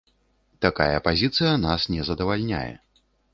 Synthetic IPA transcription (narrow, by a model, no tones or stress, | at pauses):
t̪akajɐ̰pazʲit̪sɨjɐnasnʲɛzɐd̪ɐvalʲnʲa̰jɛ̰